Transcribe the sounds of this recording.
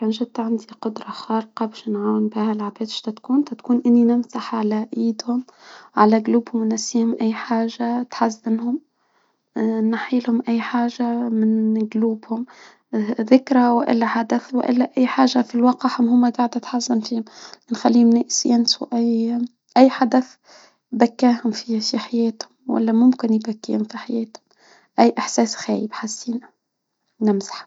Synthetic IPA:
kæːnʒɪd̪ːʕand̪iqʊd̪ɾˤɑxɑːɾqɑbɪʃnʕaːwɪnbihælʕabeːd̪ʃt̪æt̪kuːnt̪æt̪kuːnʔɪnːinɪmsaħʕalæʔiːd̪hʊmʕalæɡluːbhʊmwnːæfsiːhʊmʔæjːħaːʒːat̪ħazːɪnhʊm | naħiːlhʊmʔæjːħaːʒamɪnɡluːbhʊm | ðɪkɾawɪʔɪ̰lːæħad̪æθw̰ʔɪ̰lːæʔæjːħaːʒːafilwɑːqɑhʊmɦʊmːæɡaʕd̪æt̪ħazːɪnfiːhʊmnxalːiːhʊmnɪʔsjænsuʔæj | ʔæjːħad̪æθ | bækːæːɦʊmfifiħajæːt̪hʊmwæ̰lːæmʊmkɪnjbækːḭːhʊmfiħajɛːt̪hʊm | ʔæjːʔaħsɛːsxæːjɪbħasːiːna | nɪmzḁħ

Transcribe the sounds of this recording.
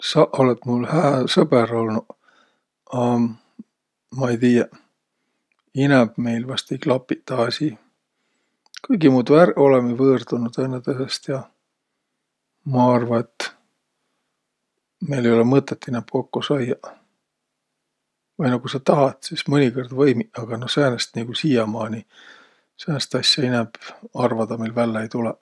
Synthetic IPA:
sɑʔo̞let̪mulhæːsɤbeɾo̞lnu | ɑ | mɑejt̪iːjɑ | inɛb̥me̞jlvɑst̪ejklɑpːˑit̪ːɑɑsi | kɤjɡimuːd̪væɾo̞lemivɤːrd̪̥unud̪enːɑt̪esest̪jɑ | mɑɑrvɑe̞t̪ːˑ | me̞jle̞jo̞lemɤt̪ːˑet̪ːinɛmpko̞kːosɑjɑ | vɑjnɑkusɑt̪ɑɦɑt̪sismɤnʲikord̪vɤjmiʔɑɡ̥ɑnosæːnest̪niɡ̥usiːjɑmɑːni | sæːnest̪ɑsʲjɑinɛb̥ɑrvɑd̪̥ɑmejlvælːeejt̪ulɛ

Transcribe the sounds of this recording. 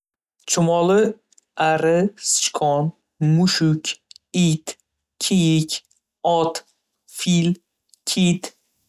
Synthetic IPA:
t͡ʃʰʊmɒlɪ | aɾɪst͡ʃkʰɒn | mʊʃʊkʲit̪ | kʲʰijɪkʲ | ɒt̪ | fil | kʲʰit̪

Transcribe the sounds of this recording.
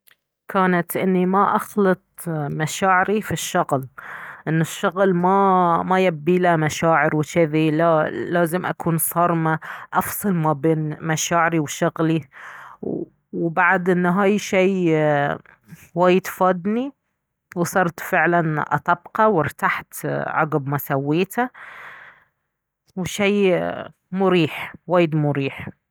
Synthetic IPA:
kʰaːnat̪ʔɪnːimaʔɑxlɨt̪̚ˤmaʃaːʕɪɾifiʃːʊɣlʔɪnːʊʃːʊɣlmamajabːiːlamaʃaːʕɪɾwt͡ʃɪðilalaːzɪmʔa̰kʰuːnsˤɑɾˤmaʔɑfsˤɑlmabeːnmaʃaːʕɪɾiwʃʊɣli | wbaʕd̪ʔɪnːɦaːjʃiː | waːjɪd̪faːd̪ni | wsˤɑɾˤt̪fɪʕlanʔɑ̰t̪ˤɑbqɑwɪɾt̪aħt̪ʕɑ̰ɡbmasawːiːt̪ʰa | wʃiː | mʊɾiːħwaːjɪd̪mʊɾiːħ

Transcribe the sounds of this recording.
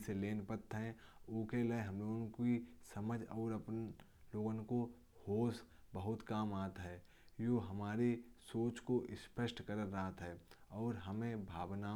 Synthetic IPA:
seleːnpət̪ɦɛ̃ʊkeleeɦɐmloːɡənkisɐməd͡ʒʱɔːɾɐp | loːɡənko | hoːs | bəɦʊt̪kaːmaːt̪ːɦɛː | joːɦɐmaːɾesoːt͡ʃkoʔɪspəsʈkəɾəɾːəɦat̪ɦɛːɔːɾɦəmẽbʱaːʋna

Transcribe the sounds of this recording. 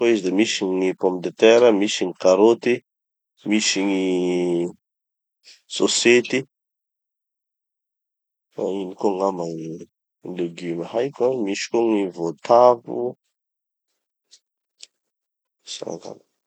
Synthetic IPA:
oizid̪emisiŋipɔ̃mpd̪et̪ɛɾəmisiŋikaɾot̪i | misiŋi | soset̪i | fa̰inikoŋamaŋi | nleɡimahajkamiʃi̥koŋivot̪avṵ | sa̰a̰ŋka̰ma

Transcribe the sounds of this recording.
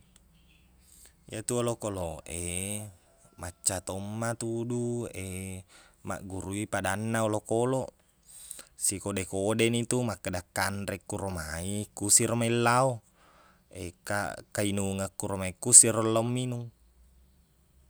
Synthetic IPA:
jat̪uolokoloʔe | mat͡ʃːat̪omːat̪udue | ma̰ʔɡuɾuipadanːaolokolo | sikodekodenit̪umakːadakːandɾɛkːuɾomaikusiɾomailːao | ḛka̰kainuŋakːuɾomaikːusirolːaumːinuŋ

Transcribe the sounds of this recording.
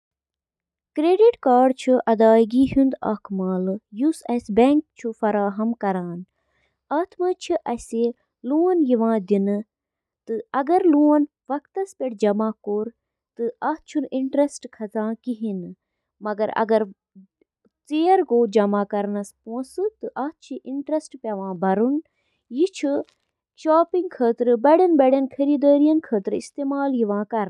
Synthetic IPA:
kɾeːɖiʈkaːɖt͡ʃʰuʔɐd̪aːjɡiɦund̪ɐ̰kmaːlɨjusɐsbɛŋk̚t͡ʃʰufɐɾaːɦɐmkɐɾaːn | ɐːt̪ʰmɐt͡ʃʰiʔɐsʲeː | luːɐnjiʋãːd̪inɨ | t̪ɨɐɡɐɾluːɐn | ʋɐkt̪ɐspʲeʈd͡ʒɐmaːkoːɾ | t̪ɨʔaːt͡ʃʰuniɳʈɾɐsʈkʰɐt͡sãːkiɦin | mɐɡɐɾɐ̰ɡɐɾ | t͡seːɾɡoːd͡ʒɐmaːkɐɾnɐspõːsɨt̪ɨʔɐːt̪t͡ʃʰiʔiɳʈɾesʈpɐʋãːbɐɾun | jit͡ʃʰu | ʃaːpiŋɡkʰəːt̪ɾɨbɐɽɐnbɐɽɐnkʰɐɾiːd̪əːɾijɐnkʰəːt̪ɾist̪eːmaːljiʋãːkɐɾ

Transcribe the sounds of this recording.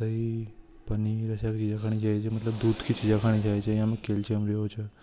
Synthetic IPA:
əipəniɾəʃakt͡ʃid͡ʒakʰaɽ̃id͡ʒajt͡ʃʰemət̪ləbd̪ud̪kʰit͡ʃid͡ʒakʰaɽ̃id͡ʒajt͡ʃʰeĩamẽkelt͡ʃemɾəɦot͡ʃʰe

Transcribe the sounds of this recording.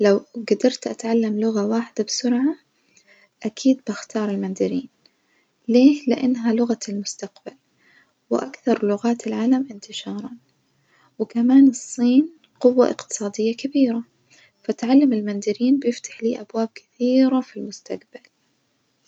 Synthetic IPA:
lawɡad̪ɑɾˤt̪ʔat̪ʕalːamlʊɣawaːħɪd̪abɪsʊɾʕa | ʔakʰiːd̪̚baxt̪ʰɑːɾˤɪlmand̪ɪɾiːn | leːlɪʔanːɦalʊɣalmʊst̪aqb̥al | wɪʔakθɑɾˤlʊɣaːt̪ɪlʕaːlamʔɪnt̪ɪʃɑːɾˤɑn | wɪkamaːnɨsˤːiːn | qʊwːa̰ʔɪ̰qt̪ɨ̥sˤɑːd̪ɪjːakabiːɾa | faʔt̪ʕalːamɪlmand̪ɪɾiːnbjɪft̪ḁħliːʔabwaːb̚kɪ̥θiːɾafilmʊst̪aqbal

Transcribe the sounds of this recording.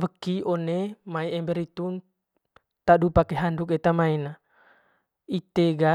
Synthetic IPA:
ʋəkːiɔnemaiembeɾit̪un | t̪adupakeɦanduk̬et̪amaina | it̪eɡa

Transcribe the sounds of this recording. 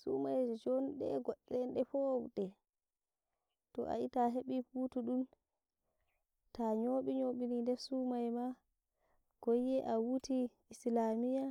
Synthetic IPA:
sṵmajd͡ʒd͡ʒɔnɗɛ̰ɡɔɗːɛnɗɛfɔwɗɛ | tɔ̰ʔa̰itaɦeɓiputuɗum | taɲoɓiɲoɓinindɛsumajma | ɡ̥ojɛʔawuti | islamija

